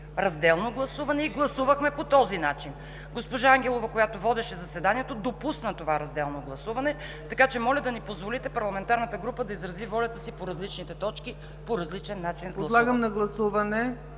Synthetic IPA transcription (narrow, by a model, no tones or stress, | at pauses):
ɾɐzd̪ɛlˠnoɡlˠɐsuvɐnɛiɡlˠɐsuvəxmɛpot̪ɔzinat͡ʃin | ɡospoʒaaŋɡʲɛlˠovɐkojat̪ovɔd̪ɛʃɛzɐsɛd̪aniɛt̪od̪opusnət̪ovaɾɐzd̪ɛlˠnoɡlˠɐsuvɐnɛ | t̪ɐkat͡ʃɛmɔlʲɐd̪ɐnipozvolit̪ɛpɐɾlˠɐmɛnt̪aɾnət̪əɡɾupəd̪ɐizɾɐzivɔlʲɐt̪əsipoɾɐzlit͡ʃnit̪ɛt̪ɔt͡ʃki | poɾɐzlit͡ʃɛnːat͡ʃinpolˠɐd̪lˠaɡəmnɐɡlˠɐsuvɐnɛ